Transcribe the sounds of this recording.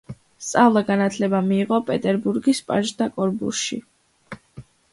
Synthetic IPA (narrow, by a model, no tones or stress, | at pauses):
st̪sʼavlˠaɡanat̪ʰlɛbamiːʁɔpʼɛt̪ʼɛɾbuɾɡispʼa̰ʒd̪akʼɔɾbṵsʃḭ